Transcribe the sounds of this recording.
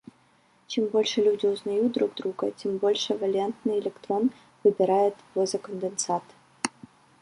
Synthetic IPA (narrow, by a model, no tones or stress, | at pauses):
t͡ɕɛmbolʲʂɨlʲudʲɪʊznɐjut̪̚d̪ɾuɡ̚d̪ɾuɡətʲɛmbolʲʂɛvɐlʲant̪nɨjɪlʲɛkt̪ron | vɨbʲɪɾajɪt̪vozɐkənd̪ɨnsat̪